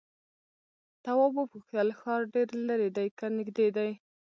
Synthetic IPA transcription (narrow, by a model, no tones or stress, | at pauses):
t̪awɑbəpuxt̪əlxɑɾɖeɾlaɾed̪ajkanɪɡd̪ed̪aj